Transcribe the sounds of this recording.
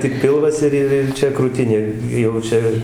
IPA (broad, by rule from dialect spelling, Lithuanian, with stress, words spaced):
tʲɪk ˈpʲɪlˠʋɐs ɪr ˈɪr ɪr ˈt͡ʃʲɛ kruːˈtʲɪnʲeː jɛʊ ˈt͡ʃʲɛ